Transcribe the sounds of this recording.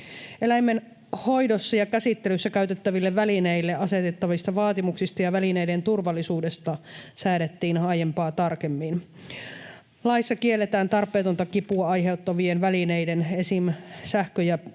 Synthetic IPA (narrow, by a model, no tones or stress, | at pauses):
ʔelæjmːen | ho̞jdosːɑjɑkæsit̪ːelysːækæyt̪et̪ːæʋilːeʋʋælineilːeʔɑse̞t̪et̪ːɑʋist̪ɑʋɑːt̪imuksist̪ɑjɑʋælineijdent̪urʋɑlːisuːdest̪ɑsæːɾet̪ːiːnhɑːjempɑːt̪ɑrkemːin | lɑisːɑkielːet̪æːnt̪ɑrpːˑeːt̪ont̪ɑkipuɑɑjɦe̞ut̪ːɑʋienʋælineidenesimsæhkøjæ